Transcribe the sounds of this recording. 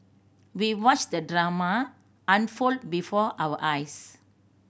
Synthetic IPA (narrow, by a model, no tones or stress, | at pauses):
wiwɔt͡ʃdədɹama | ʔãnfold̚bifɔʔawəʔajs